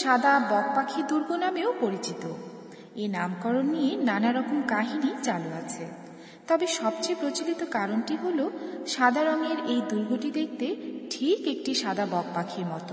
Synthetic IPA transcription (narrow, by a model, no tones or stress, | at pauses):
ʃad̪ʱabɔɡ̚pakʰid̪uɾɡʱonameopoɾit͡ɕit̪o | enamkɔɾonːijenanaɾɔkomkaɦinit͡ɕaloat͡ɕʰḛ | t̪ɔbeʃɔbt͡ɕejpɾot͡ɕilit̪okaɾonʈiɦoloʃad̪ʱaɾoŋeɾejd̪uɾɡʱoʈid̪ek̚ʰt̪eʈʰikek̚ʈiʃad̪ʱabɔɡ̚pakʰiɾmɔt̪o